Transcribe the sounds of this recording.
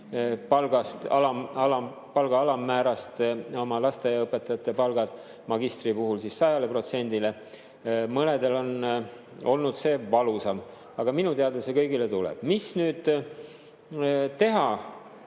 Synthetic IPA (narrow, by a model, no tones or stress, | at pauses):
pɑlɡ̥ɑst̪ɑ̰lɑmɑlɑ | pɑlɡ̥ɑɑlɑmːæːɾɑst̪o̞mɑlɑst̪e̞jɑɤpːˑe̞t̪ːˑɑjɑt̪ːˑe̞pɑlɡ̥ɑd̪̥ | mɑɡist̪ripuɦulsisːɑjɑle̞pro̞t̪se̞nʲd̪̥ile̞ | mɤned̪e̞lo̞n | o̞lnud̪se̞ːvɑlusɑm | ɑɡ̥ɑminut̪e̞ɑd̪esekɤjɡilet̪ulɛ̰b̥misnyːd̪̥ | t̪e̞ɦɑ